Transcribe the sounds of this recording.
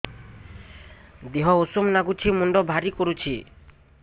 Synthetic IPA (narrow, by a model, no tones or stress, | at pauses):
d̪eɦɔosumnaɡut͡ʃʰimuɳɖɔbʱaɾikoɾut͡ɕʰi